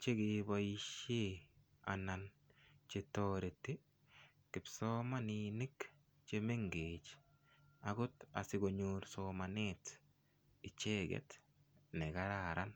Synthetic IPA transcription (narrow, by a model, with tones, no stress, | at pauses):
t͡ʃe˦ɡibojiʃe | a̰na˨nt͡ʃetoɾe˨tːi˦ | kɪ˨pso˦ma˦nini˦k | t͡ʃe˦me˦ŋɡet͡ʃ | aɡʊ˦ta̰˨sɪ˦ɡo˨ɲuɾsomanet | ɪ˨t͡ʃe˦ɡɛ̰t | ne˨ɡaɾaɾa˦n